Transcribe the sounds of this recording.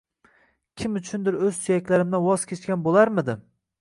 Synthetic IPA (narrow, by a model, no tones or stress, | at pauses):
kʲʰɪmʊt͡ʃʰʊnd̪ɪɾɵzt̪ʰʊjakʲlaɾɪmd̪awɒz̥kʲʰet͡ʃkʲanbolˠaɾmɪd̪ɪ